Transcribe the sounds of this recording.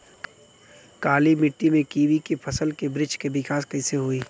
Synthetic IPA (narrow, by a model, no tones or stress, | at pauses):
kaːlimɪʈːimẽkiːʋikepʰɐsəlkebɾɪd͡ʒkebɪkaːskɐɪseɦoiː